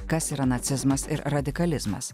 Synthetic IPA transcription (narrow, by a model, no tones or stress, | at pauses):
kɐsiːɾɐnɐt̪sʲɪzmɐsɪ̰ɾɾɐd̪ʲɪkɐlʲɪzmɐ̰s